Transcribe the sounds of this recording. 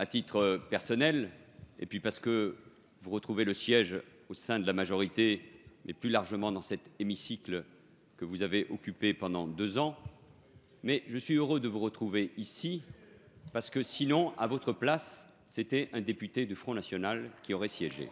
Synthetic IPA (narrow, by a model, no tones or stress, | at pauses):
at̪it̪χəpɛʁsɔnɛlḛpɥipaʁsə̥kə | vuʁət̪χuveləsjɛʒ | osɛ̃d̪əlamaʒɔʁit̪emʔɛplylaʁʒəmɑ̃d̪ɑ̃sɛt̪emisikl | kəvuzaveʔɔkʲypepɑ̃d̪ɑ̃d̪øzɑ̃ | mɛʒəsɥiøʁød̪əvuʁət̪χuveisi | paʁsə̥kəsinɔ̃avɔt̪χəplasː | et̪ɛʔɛ̃d̪epyt̪ed̪yfχɔ̃nasjɔnalkʲiɔʁɛsjɛʒḛ